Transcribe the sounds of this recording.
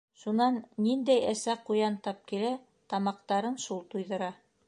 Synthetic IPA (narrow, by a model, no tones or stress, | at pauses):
ʃunɑnːind̪æjæsæqujɑnt̪ɑp̚kilæ | t̪ɑmɑqt̪ɑɾɤnʃulˠt̪ujðɤ̆ɾɑ